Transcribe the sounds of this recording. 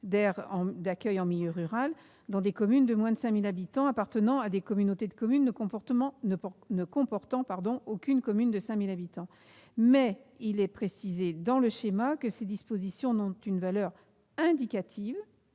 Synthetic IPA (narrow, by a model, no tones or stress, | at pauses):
d̪ɛʁɑ̃d̪akʲœjɑ̃miljøʁyʁal | d̪ɑ̃d̪ekɔmynd̪əmwɛ̃d̪əsɛ̃milabit̪ɑ̃apaʁt̪ənɑ̃ad̪ekɔmynot̪ed̪əkɔmynːəkɔ̃pɔt̪əmɑ̃nənəkɔ̃pɔʁt̪ɑ̃paʁd̪ɔ̃ʔokʲynkɔmynd̪əsɛ̃milabit̪ɑ̃ | mɛilɛpχesized̪ɑ̃ləʃemakəsed̪ispozisjɔ̃nɔ̃t̪ynvalœʁ | ɛ̃d̪ikat̪ʰiv